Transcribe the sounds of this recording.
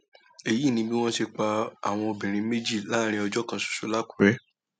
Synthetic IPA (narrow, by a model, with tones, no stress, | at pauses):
e˨ji˨˦˨nĩ˧˦bi˦w̃ɔ̃˦ʃe˧k͡pa˧a̰˨w̃ɔ̃˧o˧bĩ˨ɾ̃ĩ˧me˦d͡ʒi˦˨la˦ɾ̃ĩ˧˦ɔ˧d͡ʒɔ˦kã˧su̥˨su˨˦la˦ku̥˨ɾɛ˦